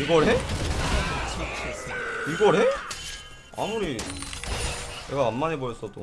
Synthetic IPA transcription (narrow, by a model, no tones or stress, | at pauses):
iɡʌɾɦe | t͡ɕʰit͡ɕʰiɡʌɾɦe | a̰muɾi | neɡaːmːanebojʌs͈ʌdo̰